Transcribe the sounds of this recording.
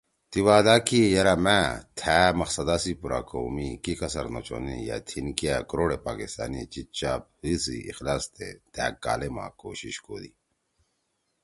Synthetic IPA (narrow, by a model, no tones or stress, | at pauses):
t̪iwaːd̪aːkijɐɾamæt̪ʰæmɐxsɐd̪asipuɾa̰ːkoːmikikɐsɐɾno̰t͡ɕo̰nḭja̰t̪ʰinkiakɾoːɽepaːkist̪a̰ːnit͡ɕit͡ɕaːb̚hisḭḭxlaːst̪et̪ʰæːkka̰ːlema̰koːɕiɕkoːd̪i